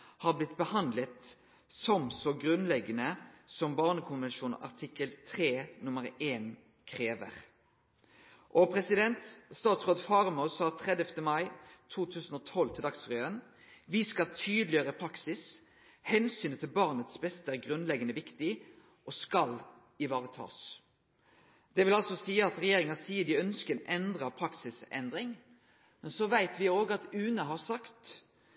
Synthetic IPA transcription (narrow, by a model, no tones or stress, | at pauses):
hɑːʁblɪt̪bəhɑnd̪lət̪ | sɔmsɔɡʁʉnlɛɡənəsɔmbɑːʁnəkʰʊnʋɛnʃuːnɑ̰ʁt̪ʰɪkːəlt̪ʰʁeːnʊməʁeːn | kʰʁeːʋə̰ʁ | ʔɔpʰʁɛsɪd̪ɛnt̪st̪ɑːt̪sʁoːd̪fɑːʁɑmuːsɑːt̪ʰʁɛd̪əft̪əmɑɪt̪ʰuːt̪ʰʉːsənɔːt̪ʰɔlt̪ʰɪld̪ɑksfʁjøːən | ʋɪskɑt̪ʰyːd̪lɪəɾəpʰɾɑksɪs | hɛnsyːnət̪ʰɪlbɑʁnət̪sbɛst̪əæɾɡɾʉnlɛɡənəʋɪkt̪ɪ | ʔɔskɑl | ɪʋɑːɾət̪ʰɑ̰ːs | d̪̥ɛʋɪlɑlsɔsiːəɑt̪ɾɛjeːɾɪŋɑsiːəd̪ɪœnskəɛnɛnd̪ɾɑpʰɾɑksɪsɛ̰nd̪ɾɪŋ | mɛnsɔʋæɪt̪ʰʋɪoːɡəɑt̪ʉːnəɦɑɾsɑkt̪